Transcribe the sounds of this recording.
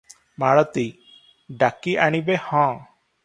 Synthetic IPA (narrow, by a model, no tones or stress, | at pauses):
maɽɔt̪i | ɖakiʔaɽ̃ibehɔ̃